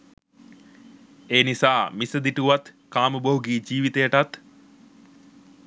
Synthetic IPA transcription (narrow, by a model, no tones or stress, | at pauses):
eːnisaːmisəd̪iʈuʋat̪kaːməboɦuɡiːd͡ʒiːʋit̪ejəʈat̪